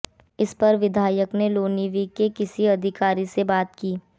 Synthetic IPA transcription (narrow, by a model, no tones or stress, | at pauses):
ɪspɐɾʋɪd̪ʱaːjəkneloːniʋikekɪsiɐd̪ʱɪkaːɾisebaːt̪kiː